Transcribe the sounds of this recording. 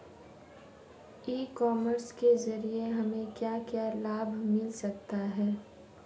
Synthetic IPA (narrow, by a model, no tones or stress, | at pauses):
iːkɔːməɾskezɐɾieɦɐmẽkjaːkjaːlaːbʱmɪlsɐkt̪aɦɛː